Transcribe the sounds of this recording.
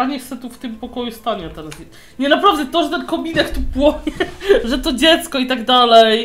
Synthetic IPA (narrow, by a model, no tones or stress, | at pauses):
alɲɛsɛt̪uft̪ɨmpɔkɔjust̪aɲɛat̪ɛɾas | ɲɛnapɾavd̪ɛt̪ɔʐɛt̪ɛnkɔmʲinɛkt̪upwɔɲɛʐɛt̪ɔd͡ʑɛt̪skɔit̪aɡd̪alɛj